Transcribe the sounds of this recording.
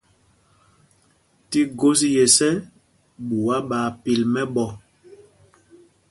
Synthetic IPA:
ti˦ɡo˦s̬i˦jɛ˨sɛ˦ | ɓu˨wa˦ɓaː˨pi˨lmɛ˦ɓɔ˦

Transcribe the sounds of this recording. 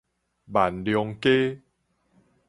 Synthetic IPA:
ba˨˩nljɔ˧ŋke˦

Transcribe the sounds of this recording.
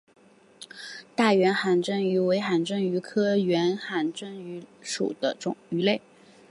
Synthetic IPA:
t̪a˥˩ɥɛ˧˥nxa˧˩nʈ͡ʂə˥ŋy˧˥we˧˥ɪxa˨˩nʈ͡ʂə˥ŋy˧˥kʰɤ˥ɥɛ˧˥nxa˧˩nʈ͡ʂə˥ŋy˧˥ʂṵ˨˩d̪̥ə˦ʈ͡ʂʊ˨˩ŋy˧˥le˥˩ɪ

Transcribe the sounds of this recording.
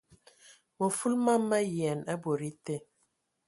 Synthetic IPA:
mo˨fu˦lma˦mːa˦jɛ˨na˦bo˨ɾi˦te˦

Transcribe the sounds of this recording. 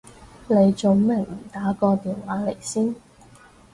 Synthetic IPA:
ne˨˧jt͡ʃo˨˧wmɪ˨˩ŋm̩˨˩t̪aː˨˥kɔː˧t̪iː˨nwaː˨˥le˨˩jsiː˥n

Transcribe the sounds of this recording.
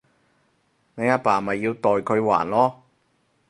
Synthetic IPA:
ne˨˧jaː˧paː˨˩mɐ˨jːiː˧wt̪ɔː˨jkʰɵ˨˧ɥwa̰ː˨˩nlɔː˥

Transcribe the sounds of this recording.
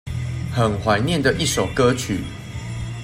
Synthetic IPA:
xə˨˩nxwa˨˦ɪnjɛ˥˨nd̪ə˨ʔi˥˨ʂo˨˩ʊkə˦t͡ɕʰy˨˩˦

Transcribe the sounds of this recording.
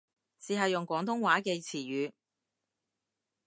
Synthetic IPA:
siː˨˩ɦɐ˨jʊ˨ŋkʷɔː˨˥ŋt̪ʰʊ˥ŋwaː˨˥ke˧jt͡sʰiː˨˩ɥyː˨˧

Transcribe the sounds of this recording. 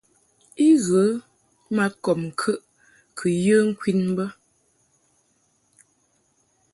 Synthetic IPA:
i˦ɣə˨˦ | ma˦kɔ˨mŋ̩˨kʰə˦ʔ | kʰə˨jə˦ŋ̩˦kwi˦nm˦bə˦

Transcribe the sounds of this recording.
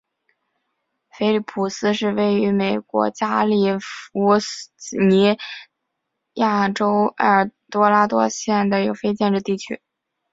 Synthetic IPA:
fe˥ɪli˥˩pʰu˨˩sɹ̩˥ʂɻ̩˥˧we˥˩ɪy˧˥me˨˩ɪkwɔ̰˧˥t͡ɕja˥li˨˥˩u˧˥˨ni˧˥ | ja˥˩ʈ͡ʂo˥ʊɐ˞˥˩t̪wɔ˥la˥t̪wɔ̰˥ɕjɛ˥˩nd̪ə˩i˥ɡə˧˥˩fe˥ɪt͡ɕjɛ˥˧nʈ͡ʂ̩˥˧t̪i˥˩t͡ɕʰy˥

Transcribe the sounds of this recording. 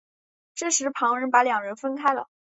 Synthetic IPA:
ʈ͡ʂ̩˥˩ʂɻ̩˧˥pʰɑ˧˥ŋɻə˧˥npa˧˥ljɑ˨˩ŋɻə˧˥nfə˥nkʰa˥ɪlə̰˨

